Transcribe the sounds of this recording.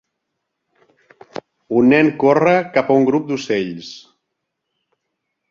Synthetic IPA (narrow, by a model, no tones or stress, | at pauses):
unːɛŋkorəkapauŋɡɾup̚d̪useʎs